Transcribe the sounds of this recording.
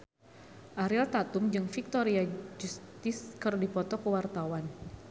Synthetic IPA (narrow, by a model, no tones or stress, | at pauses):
ʔaɾilt̪at̪umd͡ʒɨŋfik̚t̪oɾiad͡ʒust̪ɪskərdipɔt̪ɔkəwart̪awan